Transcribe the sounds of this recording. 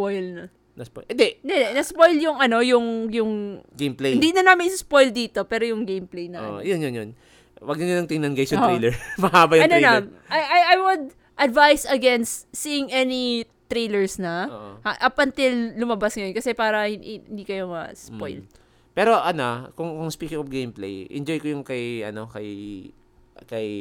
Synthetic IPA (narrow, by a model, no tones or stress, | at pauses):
pojlnɐ | nɐso̰ɪd̪ɛnd̪ɛd̪ɛnɐspojljʊŋʔɐno̞jʊŋjʊŋɡejmpleɪnd̪iːnɐnaːmɪnʔɪsʊspojld̪iːt̪o̞pɛːɾojʊŋɡejmplejnɐʔjonjonjon | wɐɡ̚nɐɲʊnɐŋt̪ɪŋnɐnɡejsʊɾejlɛɹmɐhaːbɐjʊɐtnonɐ | ʔajʔajʔajwʊd̪̚ | ʔɐd̪vajsɐɡɛnst̪siɪŋʔɛni | t̪ɾejlɛɹsnɐaʔɐpɐnt̪ɪlːʊmɐbasŋɐjonkɐsɛpaːɾɐhɪnd̪iːkɐjo̞ŋɐ̰spo̰jl | pɛːɾo̞ʔɐnokʊŋkʊŋspiːkɪŋɔfɡejmplḛjʔɛ̰nd͡ʒojkojʊŋkɐjʔɐ̰no̞kɐj | kɐj